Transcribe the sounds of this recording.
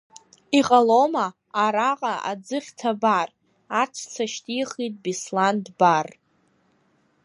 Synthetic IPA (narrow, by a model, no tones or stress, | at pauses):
iqʼalomaː | ɾaqʼaʔa̰d͡zɨχʲtʰabar | aʈ͡ʂʷʰt͡sʰaʃtʰʼiχit̚ʼbislandbar